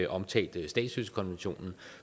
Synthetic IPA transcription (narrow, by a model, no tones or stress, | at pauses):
ʔɒ̽mt͡sʰɛ̰ːld̥sd̥ɛ̰ːd̥sysə̥kʰɒ̽nʋenɕo̝̰ːnn̩